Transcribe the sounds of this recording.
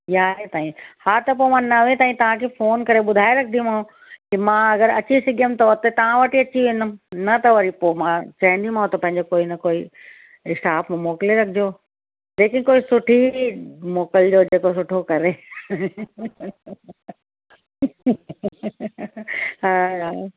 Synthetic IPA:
jaːɦet̪aːĩhaːt̪ɐp̬oːmãnɐʋẽt̪aːĩt̪ɐʋ̤ãkʰeːfoːnkɐɾeɓʊd̪ʱaːeɾɐkʰnd̪imãɦõ | kimãɐɡəɾɐt͡ɕisɪɡʱəmt̪ɐʋɐt̪et̪ɐʋ̤ãʋɐʈiɐt͡ɕiʋẽːnd̪əmnɐt̪ɐʋɐɾipoːmãt͡ɕɐɦĩnd̪imãːɦõt̪ɐpɐ̃ɦɪ̃ɲd͡ʑokoːinɐkoːi | ɪsʈaːpmmoːkɪleɾɐkʰɪd͡ʑoː | d͡ʑeːkɪ̃nkoːisʊʈʰimoːkəld͡ʑoːd͡ʑeːkos̬ʊʈʰokɐɾe | haː

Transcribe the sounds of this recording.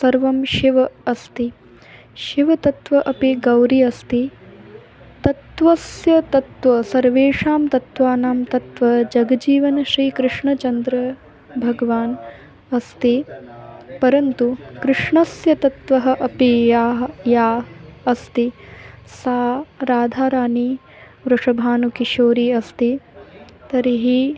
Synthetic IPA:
sɐɾʋɐmʃiʋɐɐst̪i | ʃiʋɐt̪ɐt̪ʋɐʔɐpiɡɐwɾiɐst̪i | t̪ɐt̪ʋɐsjɐt̪ɐt̪ʋɐsɐɾʋeːʂaːmt̪ɐt̪ʋaːnaːmt̪ɐt̪ʋɐd͡ʒɐɡɐd͡ʒiːʋɐnɐʃɾiːkɾɨʂɳɐt͡ʃɐnd̪ɾɐ | bʱɐɡɐʋaːn | ɐst̪i | pɐɾɐnt̪ukɾɨʂɳɐsjɐt̪ɐt̪ʋɐɦɐ̆ʔɐpijaːɦɐjaːɐst̪isaːɾaːd̪ʱaːɾaːni | ʋɾɐʂɐbʱaːnukiʃoːɾiːɐst̪i | t̪ɐɾiɦi

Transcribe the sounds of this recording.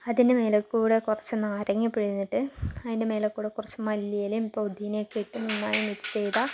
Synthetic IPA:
ɐðindemeːlɐkːuːɽekurɐt͡ɕːɨnaːɾɐŋːipːiɽinːiʈːɨɐðindemeːlɐkːuːɽekurɐt͡ɕːɨmɐlːijɐlejumipːoud̪ʱːijnekiʈːɨninːaːɳimitːi̥t͡ɕejt̪a

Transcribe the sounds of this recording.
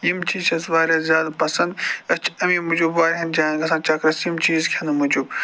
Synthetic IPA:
jimt͡ʃʰiːt͡ʃʰɐzʋaːɾʲaːzjaːd̪pɐsɐnd̪ɐt͡ʃʰɐmiːmud͡ʒubʋaːɾɦɐnd͡ʒaːnɡɐsãːt͡ʃɐkɾɐsimt͡ʃiːzkʲʰɐnɨmud͡ʒub

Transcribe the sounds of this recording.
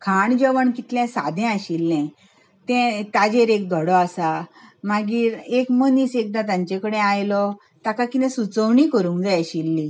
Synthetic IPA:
kʰaɳd͡ʑeʋəɳkit̪ljɛ̃sa̰d̪ʱɛ̃aɕilːɛ̃ | t̪ɛ̃t̪ad͡ʑeɾek̚d̪ʱɔɽɔasamaɡiːɾekməniːsek̚d̪at̪ãɲt͡ɕẽkəɽẽajlɔ | t̪akakit̪ɛ̃sut͡səʋɳiːkəɾũːŋkd͡zajaɕilːi

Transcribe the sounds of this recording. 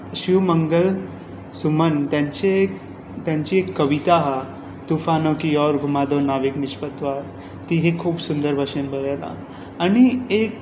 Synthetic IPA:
ɕiʋməŋɡəl | sumənt̪jãɲt͡ɕe | t̪jãɲt͡ɕiekːəʋit̪aɦa | t̪ufanokijɔɾɡʱumad̪onaʋikmiɕpət̪ʋaɾ | t̪iɦekʰuːbsund̪əɾbʱaʂenbʱəɾela̰ | aɽ̃iek

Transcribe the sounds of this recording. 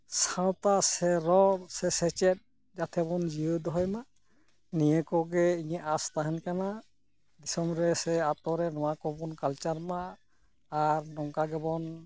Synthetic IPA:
sãwt̪asɛɾɔɾsɛsɛt͡ʃɛt̚ | d͡ʒat̪ʰɛbɔnd͡ʒiɯd̪ɔɦɔjma | nijɛkɔɡɛiɲɛʔast̪aɦɛnkana | d̪isɔmɾɛsɛat̪ɔɾɛnɔwakɔbɔnkalt͡ʃaɾmaː | ɾnɔŋkaɡɛbɔn

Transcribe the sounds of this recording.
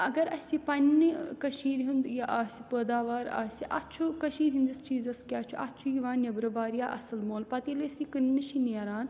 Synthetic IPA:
ɐɡɐɾɐsʲipɐnːɨkɐʃiːɾɦund̪jɐʔaːsʲipəːd̪aːʋaːɾa̰ːsʲiʔɐtt͡ʃʰukɐʃiːɾɦind̪ɨst͡ʃiːzɐskʲaːt͡ʃʰuʔɐt̪t͡ʃʰujiʋaːnjɐbɾɐʋaːɾijaːʔɐ̰sɐlmoːlpɐt̪ilesikɨnːɨʃineɾaːn

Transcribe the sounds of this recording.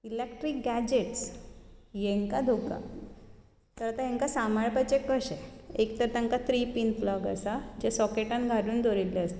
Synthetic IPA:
ilekʈɾik̚ɡæd͡ʑeʈs | jeŋkad̪ʱoka̰ | t̪əɾat̪aɦẽŋkasamaɭpajt͡ɕekəɕeekt̪əɾt̪aŋkat̪ɾipiːnflɔɡə̰sad͡ʑesɔkeʈãnɡʱaɽuːnd̪ʱoɾilːeəst̪e

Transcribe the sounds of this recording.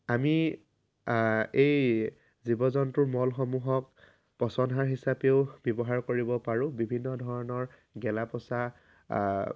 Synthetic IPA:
ami | ej | zibɔzɔntʊɹmɔlxɔmuɦɔk̚ | pɔsɔnɦaɹɦisapeʊbjɔbɔɦaɹkoɹibɔpaɹʊ̃bibʱinːɔdʱɔɹɔnɔɹ | ɡɛlapɔsa

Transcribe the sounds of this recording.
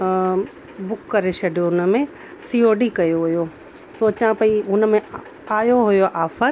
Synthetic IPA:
bʊkːɐɾeʃɐɖijoʊnəmẽ | siːoːɖikɐjoɦʊjoː | soːt͡ɕãpɐiʊnə̆mẽ | aːjoɦʊjoʔaːfʰəɾ

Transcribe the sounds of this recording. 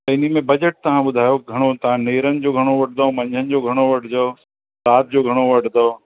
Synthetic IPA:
t̪ɐɪnimẽbɐd͡ʑəʈ̚t̪ɐʋ̤ãbʊd̪ʱaːjoɡʱɐɽ̃ot̪ɐʋ̤ãneːɾənɪ̆d͡ʑoːɡʱɐɽ̃oʋɐʈ̚ʰd̪aõmɐ̃ɲd͡ʑʱənɪ̆d͡ʑoɡʱɐɽ̃oʋɐʈʰd̪ɐo | d̪aːt̪̚d͡ʑoːɡʱɐɽ̃oʋɐʈʰd̪ɐoː

